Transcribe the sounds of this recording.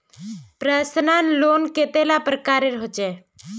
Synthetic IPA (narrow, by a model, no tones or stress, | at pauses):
pɾaːsənaːnloːnket̪elapɾəkaːɾeɾɦot͡ʃeː